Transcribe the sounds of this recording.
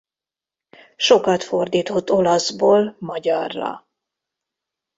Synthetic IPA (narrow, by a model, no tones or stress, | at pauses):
ʃo̞kɒt̪fo̞rd̪iːt̪ho̞t̪ːo̞lɒzboːlmɒɟɒrːɒ̰